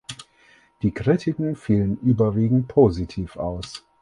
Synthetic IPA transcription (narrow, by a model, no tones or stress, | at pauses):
d̥iːkʁ̥itʰɪkŋ̩fiːlənʔyːbɐviːɡŋ̩t̚pʰozitʰiːfa̰ʊs